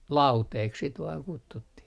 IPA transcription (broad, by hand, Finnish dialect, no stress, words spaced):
lɑuteːk sit ʋɑːŋ kutːutːih